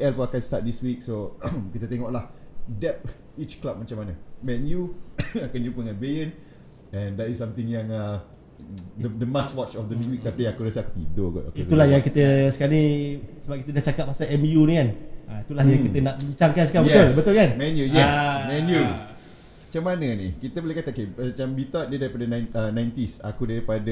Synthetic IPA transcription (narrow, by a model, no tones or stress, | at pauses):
ɛlpoakanst̪at̪̚diswik̚sokit̪ət̪eŋɔʔlahdɛp̚ | it͡ʃklap̚mat͡ʃamːanamɛnjuakand͡ʒumpəŋanbejən | ɛ̃ndɛtisːamt̪ɪŋjaŋa | dəd̪əmaswɔt͡ʃɔfd̪əniwik̚t̪ap̪iakuɾasəaku̥t̪ip̚doɡɔ̰to̰keiulahjaŋkit̪əsə̥kaɾanisəbap̚kit̪ədaht͡ʃakat̪̚masaʔɛmjunikanait̪ulahjaŋkit̪ənaʔməɲt͡ʃaŋkansə̥kabət̪olbət̪olkanmɛnjujɛsmɛnju | at͡ʃamanənikit̪əbolehkat̪aokeaat͡ʃambit̪ɔt̪̚dedaɾipadənajnənãjnt̪isa̰kudaɾipadə